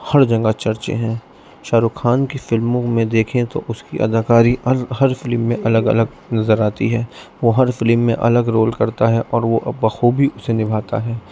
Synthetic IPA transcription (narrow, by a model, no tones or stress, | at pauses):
hɐɾd͡ʒɐ̃ŋɡat͡ʃɐɾt͡ʃḛ̃ɦɛ̃ː | ʃaːɾukʰaːnkifɪlmõmẽd̪eːkʰẽt̪o̰ʔʊskiʔɐ̰d̪ʱaːkaːɾiɦɐɾfɪlmːẽʔɐləɡɐ̰ləɡ | nɐzəɾaːt̪iɦɛːʋoɦɐɾfɪlmːẽʔɐ̰ləɡɾoːlkɐɾt̪aɦɛʔɔːɾʋoʔɐaxuːbʱiʔʊsenɪbʱaːt̪a̰ɦɛː